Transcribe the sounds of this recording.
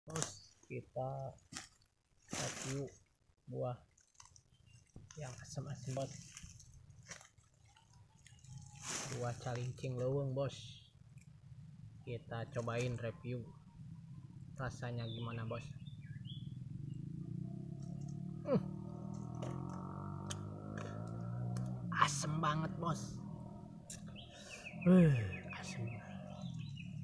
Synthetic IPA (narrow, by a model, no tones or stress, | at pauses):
bɔskit̪a | repiu | buah | jaŋasəmasəmbɔt̪̚ | buaht͡ʃaliŋt͡ʃiŋləwəŋbɔs | kit̪at͡ʃobainrepiu | rasaɲaɡimanabɔs | h | asəmbaŋət̪̚bɔs | əasəm